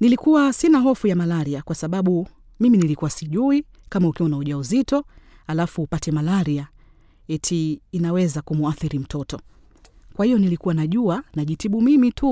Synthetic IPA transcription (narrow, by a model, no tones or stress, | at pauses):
nilikuwasinaɦɔfujamalaɾiakwasaɓaɓu | miminilikuwasiʄui | kamaukiɔnauʄauzitɔ | halafuːpatɛmalaɾia | ɛtʰiːnawɛzakumuaθiɾim̩tɔtɔ | kwahijɔnilikuwanaʄuanaʄitiɓumimitʰu